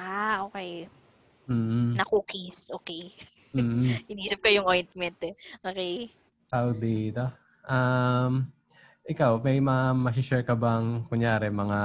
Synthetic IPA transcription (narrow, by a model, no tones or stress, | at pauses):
ʔaʔoːkɛj | mm̩ːnɐkokisʔoːkɛjm̩ːhɪniːsɐp̚kɐjʊŋʔojnt̪mɛnt̪ɛʔoːkej | kɐwd̪it̪o | ʔam | ʔɪkawmɛjmɐŋamɐs̬ɪʃɛɹkɐbɐŋkʊŋjaːɾɛmɐŋa